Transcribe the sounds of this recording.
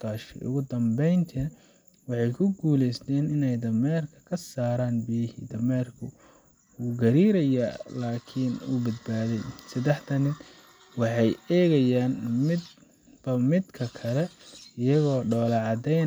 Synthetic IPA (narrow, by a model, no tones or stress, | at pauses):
t̪ʰaːʃḭʔʊ̰ɣʊd̪ɐmbɛjnt̪ʰɪnɐ | wɑħɑjkʰʊɡuːlɛjst̪ʰɛːnɪnɛjd̪ɐmɛːrkʰɐ̥kʰɐsaːɾaːnbijɐhḭːd̪ɐmɛːrkʰʊ | uːɡɐɾiːɾɐjalaːkʰɪnuːbɐd̪̚baːðɛjsɐd̪ɛħt̪ʰɐnɪd̪ | wɑħɑjɛːɣɐjaːnmɪd̪ | b̥ɐmɪd̪kʰɐkʰɐlɛɪjɐɣɔːɖɔːlɑʕɑd̪ɛjn